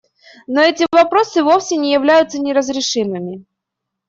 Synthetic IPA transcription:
noɛtʲɪvɐpɾo̞sɨvo̞fsʲɪnʲɪjɪvlʲæjʊt̪sənʲɪɾəzɾʲɪʂɨmɨmʲɪ

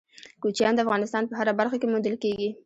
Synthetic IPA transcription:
kut͡ʃjɑnd̪əafɣɑnɪst̪ɑnpəɦaɾabaɾxakemund̪əlkeɡi

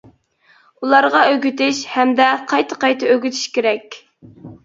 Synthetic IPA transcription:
ulˠɑɾʁɑøɡʲyt̪ɪʃhɛmd̪ɛqʰɑjt̪ʰəqɑjt̪ɑøɡʲyt̪ʰy̥ʃkʲeɾɛkʲ

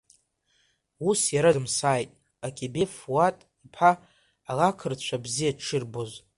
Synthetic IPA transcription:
usjaɾaɨmsaːjtʼ | akʲʰʼebefwatʼipʰaː | ɣakʰɨrt͡ɕʷʰabzijaʈ͡ʂʰɨrboz

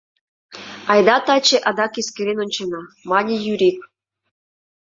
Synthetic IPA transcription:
ɑjd̪ɑt̪ɑt͡ɕeʔɑd̪ɑkiskeɾʲenŏnʲt͡ɕenɑmɑnʲijyɾʲik

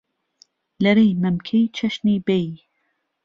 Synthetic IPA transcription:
lɐɾejmɐmkʰejt͡ʃʰɐʃniːbej

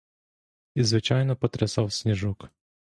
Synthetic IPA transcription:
izʋɪt͡ʃɑjnɔpɔt̪ɾɪsɑwsʲnʲiʒuk

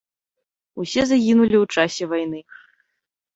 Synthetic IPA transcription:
usʲɛzaɣʲinulʲiwt͡ʂasʲɛvajnɨ

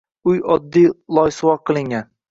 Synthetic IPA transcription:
ʊjɒd̪ːijlˠɒjsɨwɒqʰːɨlˠɪŋɡʲan

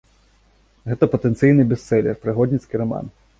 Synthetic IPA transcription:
ɣɛt̪ɐpɐt̪ɛnt̪sɨjnɨbʲɛsːɛlʲɛ̰rpɾɨɣɔd̪ʲnʲit̪skʲiɾɐma̰n

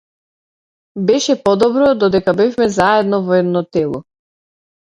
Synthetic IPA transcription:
bɛʃɛpɔd̪ɔbɾɔd̪ɔd̪ɛkabɛfmɛzaɛd̪nɔvɔɛd̪nɔt̪ɛlˠɔ

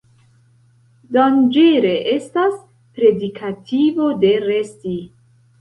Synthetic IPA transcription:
dond͡ʒeɾe̞ʔestas | pɾe̞dikʰativo̞de̞ɾe̞sti

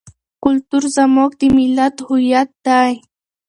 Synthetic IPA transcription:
kʊlt̪ʊɾsamok̚t̪ɪmɪlat̪hʊjat̪aj

